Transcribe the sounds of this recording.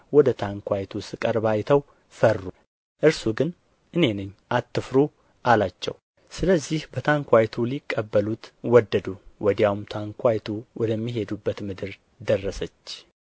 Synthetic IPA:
wɔd̪ət̪ʰaŋkʰʷajt̪ʰusɨkʼəɾbajt̪ʰəw | fərːu | ʔɨɾsuɡɨn | ʔɨne̞nɨɲːʔat̪ʰːɨfɾu | ʔalat͡ʃːɛ̰w | sɨləzːihbət̪ʰaŋkʷajt̪ʰulikʼːəbːəlut̪wɔd̪ːəd̪uwɔd̪jawmt̪ʰaŋkʰʷajt̪ʰuwɔd̪əmːiɦe̞d̪ubːət̪mɨd̪ɨɾ | d̪ərːəsət͡ʃː

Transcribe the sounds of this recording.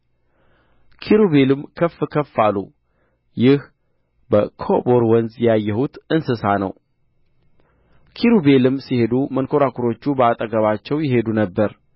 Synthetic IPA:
kʰiɾuβe̞lɨmkʰəfːɨkʰəfːalːṵ | jɪh | bəkʰoboɾwənzjajːɛhut̪ɨnsɨsanə̰w | kʰiɾube̞lɨmsihe̞d̪umənkʰo̞ɾakʰuɾo̞t͡ʃːubəat̪ʼəɡəβat͡ʃːɛwjɪɦe̞d̪unəbːəɾ

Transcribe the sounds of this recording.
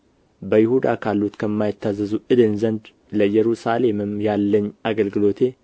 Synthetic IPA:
bəjɪhud̪akʰalːut̪kʰəmːajɪt̪ʰːazəzuʔɨd̪ɨnzənd̪ | ləjɛɾusale̞mɨmjalːəɲːaɡəlɡɨlo̞t̪ʰe̞

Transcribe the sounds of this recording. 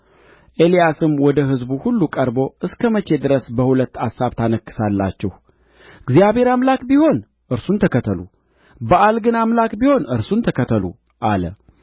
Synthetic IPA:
ʔe̞lijasɨmwɔd̪əɦɨzbuhulːukʼəɾbo̞ʔɨskʰəmət͡ʃe̞d̪ɨɾəsbəhulət̪ːasaβt̪ʰanəkːɨ̥salːa̰t͡ʃːɛh | ɡzijaβhe̞ɾamlakbiho̞n | ʔɨɾsunt̪ʰəkət̪ʰəlṵ | bəʔalɡɨnamlakbiho̞nɨɾsunt̪ʰəkət̪ʰəlṵ | ʔalə̰

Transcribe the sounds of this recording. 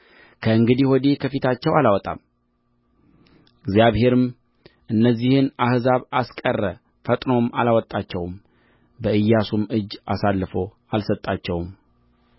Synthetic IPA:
kʰəɨŋɡɨd̪iwɔd̪ekʰəfit̪ʰat͡ʃːɛwalawɔt̪ʼa̰m | ɪɡzijaβhe̞ɾɨm | ʔɨnːəzːihɨnahzaβaskʼərːə | fət̪ʼno̞malawɔt̪ʼːat͡ʃːɛwm | bəʔɨjːasumɨd͡ʒːasalːɨfo̞ | alsət̪ʼːat͡ʃːɛwm

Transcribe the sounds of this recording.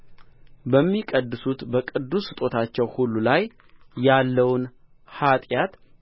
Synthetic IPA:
bəmːikʼəd̪ːɨsut̪bəkʼɨd̪ːusɨt̪ʼo̞t̪ʰat͡ʃːɛwhulːulajː | alːəwn | hat̪ʼjat̪

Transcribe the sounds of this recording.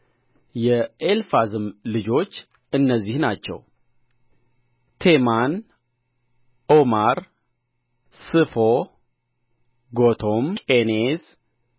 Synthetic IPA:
jɛʔelfazɨmlɨd͡ʒo̞t͡ʃː | ɨnːəzːihnat͡ʃːɛ̰w | t̪ʰeman | omaɾ | sɨfo | ɡot̪ʰomkʼenez

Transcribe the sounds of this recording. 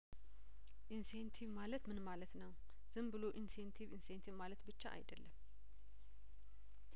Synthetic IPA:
ʔinsent̪ʰivmalət̪mɨnmalət̪nəw | z̥ɨmbɨlo̞ʔinsent̪ʰivinsent̪ʰivmalət̪bɨt͡ʃːa̰ʔa̰jd̪əlːəm

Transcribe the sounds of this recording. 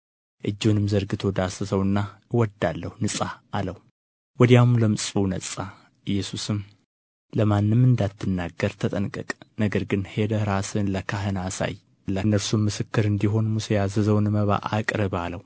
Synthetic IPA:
ʔɨd͡ʒːunɨmzəɾɡɨt̪ʰod̪asəsəwɨnːawɔd̪ːalːəhunɨsʼaaləhu | wɔd̪jamləmɨsʼunəsʼa | ʔɨjːɛsusɨm | ləmanːɨmːɨnd̪at̪ʰːɨnːaɡːəɾt̪ʰət̪ʼənkʼɨ̰kʼnəɡəɾɡɨnhe̞d̪əɾasɨnləkʰaɦɨnasa̰j | lənːəɾsumːɨsɨkːɨɾɨnd̪iɦo̞nmusejazɨzəwnməβa̰ʔa̰kʼɾɨβaləw

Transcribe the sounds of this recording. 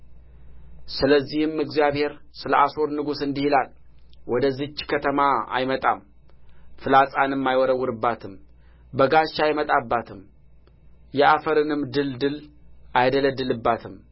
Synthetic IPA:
sɨləzːihɨmɨɡzijaβhe̞ɾsɨləʔaso̞ɾnɨɡusɨnd̪ihilal | wɔd̪əzɨt͡ʃːkʰət̪ʰəmaa̰jmət̪ʼa̰m | fɨlasʼanɨmːajwɔɾəwːʊɾɨbːat̪ʰɨm | bəɡaʃːajmət̪ʼabːat̪ʰɨm | jɛʔafəɾɨnɨmd̪ɨld̪ɨlajd̪ələd̪ɨlɨbːat̪ʰɨm

